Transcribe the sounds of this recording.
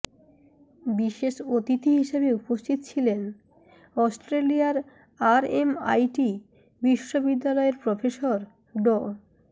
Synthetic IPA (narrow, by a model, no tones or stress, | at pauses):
biʃeʃot̪it̪ʰiɦiʃebeupost̪ʰit̪ot͡ɕʰilen | ɔsʈɾeliaɾ | aɾema̰jʈi | biʃːobid̪ːalɔeɾpɾɔfesoɾ | ɖo